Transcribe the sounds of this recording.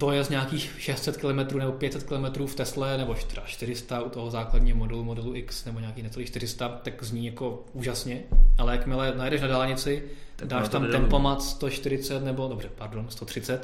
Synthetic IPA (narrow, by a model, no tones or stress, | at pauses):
t̪ojɛzɲaːkiːxʃɛst̪sɛt̪kɪlomɛt̪ɾuːnɛbopjɛt̪sɛt̪̚kɪlomɛt̪ɾuːft̪ɛslɛnɛboʃt̪aʃt̪ɪɾɪst̪aut̪oɦozaːkladɲiːɦomo̞dɛlumo̞dɛluʔɪksnɛboɲaːkiːxnɛt͡sɛliːʃt̪ɪɾ̝ɪst̪at̪akzɲiːjako̞ | uːʒasɲɛʔalɛjakmɪlɛnajɛdɛʃnadaːlɲɪt͡sɪdaːʃt̪amt̪ɛmpomat̪st̪oʃt̪ɪɾɪt͡sɛt̪nɛbo̞do̞brɛpaɾdo̞nst̪ot̪r̝̥ɪt͡sɛt̪